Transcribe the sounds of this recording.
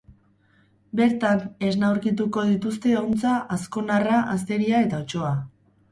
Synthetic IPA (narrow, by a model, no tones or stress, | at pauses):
be̞ɾt̪ane̞znawɾkit̪uko̞ð̞it̪ust̪e̞ont͡saʔːsko̞naraʔast̪e̞ɾiae̞t̪aot͡ʃo̞a